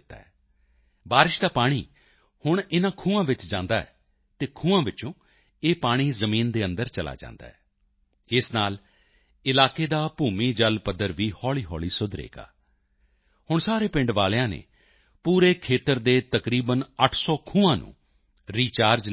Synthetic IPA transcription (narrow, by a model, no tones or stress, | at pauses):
t̪ːa̰ːɛː | baːɾɪʃd̪aːpaːɽ̃iː | hʊɳ̃ɪnãːkʰũːãːʋɪt͡ʃd͡ʒãːnd̪aːɛ̰ː | t̪eːkʰũːãːʋɪt͡ʃõː | eːpaːɽ̃iːzəmĩːnd̪eːənd̪əɾt͡ʃəla̰ːd͡ʒã̰ːnd̪a̰ːɦɛː | ɪsnaːl | ɪlaːkeːd̪aːpuːmiːd͡ʒəlpəd̪əɾʋiːhɔːliːɦɔːliːsʊd̪ɾḛːɡa̰ː | hʊɳsaːɾeːpɪ̃ɳɖʋaːljãːnḛː | puːɾeːkʰeːt̪əɾd̪eːt̪əkɾiːbənəʈʰsɔːkʰũːãːnṵ̃ː | ɾiːt͡ʃaːɾd͡ʒ